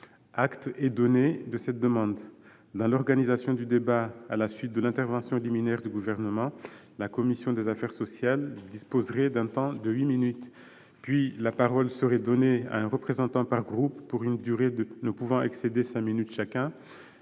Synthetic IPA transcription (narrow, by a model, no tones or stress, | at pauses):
akt̪ɛd̪ɔned̪əsɛt̪̚d̪əmɑ̃d̪ | d̪ɑ̃lɔʁɡanizasjɔ̃d̪yd̪ebaa̰lasɥit̪̚d̪əlɛ̃t̪ɛʁvɑ̃sjɔ̃liminɛʁd̪yɡuvɛʁnəmɑ̃ | lakɔmisjɔ̃d̪ezafɛʁsɔsjald̪ispozʁɛd̪ɛ̃t̪ɑ̃d̪əɥiminyt̪ | pɥilapaʁɔlsəʁɛd̪ɔnea̰ɛ̃ʁəpχezɑ̃t̪ɑ̃paʁɡʁupːuʁynd̪yʁed̪ənəpuvɑ̃ʔɛksed̪esɛ̃minyt̪ʃakʲɛ̃